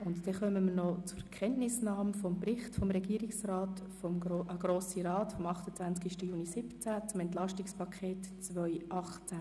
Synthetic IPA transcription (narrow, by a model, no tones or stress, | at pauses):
ʊntd̥ɛχœməmənɔt͡sʊkʰɛntnɪsnɑːmfɔmpɾɪχtfɔmɾɛɡiəɾɪksraːtfɔmɡoʔəɡ̥ɾoːsiɾɑːtfɔmɑχtət͡sʋænt͡skiʃtəjuːnisɪpt͡sæt͡sʊmɛntlɑʃtikspʰɑkʰeːtt͡sʋœjʔɑχt͡sæ